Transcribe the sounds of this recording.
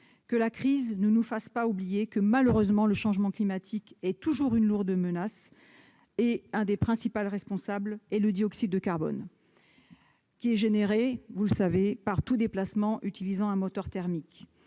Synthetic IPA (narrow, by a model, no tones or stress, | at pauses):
kəlakχiznənufaspaublijekəmaløʁøzmɑ̃ləʃɑ̃ʒmɑ̃klimat̪ʰikɛt̪uʒuʁynluʁd̪əmənas | eɛ̃d̪epχɛ̃sipalʁɛspɔ̃sablɛləd̪iɔksid̪ːəkaʁbɔ̰n | kʲiɛʒeneʁevuləsavepaʁt̪ud̪eplasmɑ̃ʔyt̪ilizɑ̃ɛ̃mɔt̪œʁt̪ɛʁmik